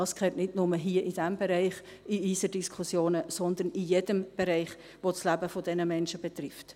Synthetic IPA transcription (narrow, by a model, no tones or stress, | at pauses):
ɑːskʰχɛːtnɪdnʊməɦiːəʔid̥ɛmbɛɾɛɪχ | iiːsəd̥iskʰχusjoːnəsɔnd̪ənijed̥əmb̥ɛɾɛɪχ | ʋoslæbəfodɛnəmɛnʃəb̥ɛt̪rɪft